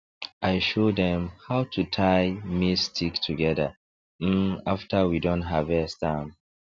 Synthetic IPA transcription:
ʔaɪʃodɛ̃mhaʊtʰutʰaɪmistʰiktʰuɡɛdə̰ | m̩aftʰəwidɔ̃ntɦavɛstãm

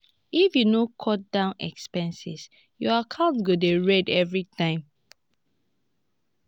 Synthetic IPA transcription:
ifjunokʰɔt̚dãʊ̃nɛ̰kspɛ̃nsḭs | jɔakʰãʊntɡodeɹɛdɛvɹitʰãɪ̃m

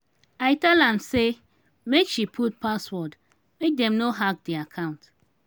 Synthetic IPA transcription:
aɪtɛlãmse | mekʃipʰut̚paswɔd | mek̚dɛ̃mnoɦak̚diakʰãʊ̃nt

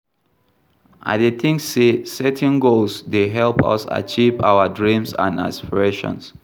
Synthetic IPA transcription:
ʔa̰det̪ʰĩŋksesɛtʰɛ̃nɡolsdeɦɛlpɔ̰sa̰t͡ʃivawədɹĩmsã̰na̰spiɹeʃɔ̰̃ns

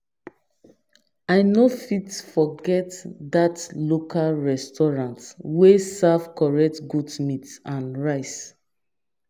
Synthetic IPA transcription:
aɪnofitfɔɡɛtdatlokʰalɹɛstɔɹãntwesav̥kɔɹɛk̚tɡudmitsãnɹaɪs

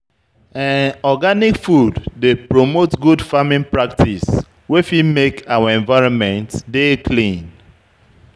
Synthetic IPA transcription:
ãnɔɡanikfudːepɹomotɡudfamĩnpɹak̚tʰis | wefimekʰawaɛ̃ɱvaɪɹɔ̃nmɛ̃ntdekʰlĩn

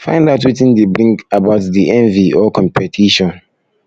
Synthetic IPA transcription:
fã̰ɪ̃ndaʊtwitĩndebɾĩŋkabaʊtdiɛ̃nviɔkʰɔ̃mpʰɛtʰiʃɔ̃n

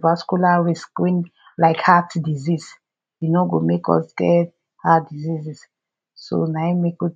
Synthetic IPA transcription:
vaskulaɹiskĩn | laɪkhatdizis | junoɡomekɔ̰sɡɛ | hatdizizis | so̰najmeku

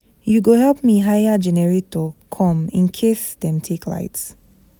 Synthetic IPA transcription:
juɡohɛlp̚miɦajad͡ʒɛnɛɹitokʰɔ̃mḭ̃nkʰisdɛ̃mtʰikla̰ɪts

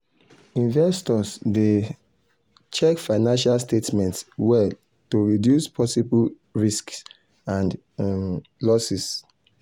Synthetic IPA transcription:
ĩnvɛstɔsde | t͡ʃɛkfaɪnãnʃalstetmɛ̃ntswɛ | toɹidjuspʰɔsibul | ɹisks | ãn | lɔsis

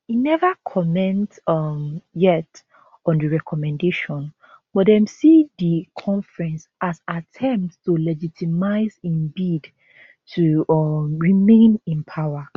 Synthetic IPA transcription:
inɛvakʰɔmɛ̃ntʌmjɛt | ɔ̃ndəɹɛkʰɔmɛ̃ndeʃɔ̃n | bɔdɛ̃msidikʰɔ̃nfɹɛ̃nsazatʰɛ̃mptstulɛd͡ʒitʰimaɪzĩnbid | tʰuʌmɹimẽnĩnpʰawa

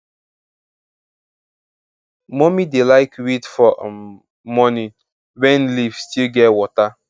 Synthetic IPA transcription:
mɔmidelaɪkwitfɔ | mɔni | wɛ̃nlivstilɡɛtwɔta

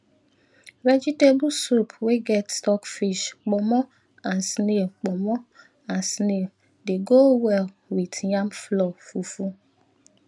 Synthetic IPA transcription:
ɾɛd͡ʒitebusupʰweɡɛtstɔkfiʃk͡pɔmɔ̃ | ãnsnek͡pɔmɔ̃ | ãnsne | deɡowɛl | witjãmflɔfufu

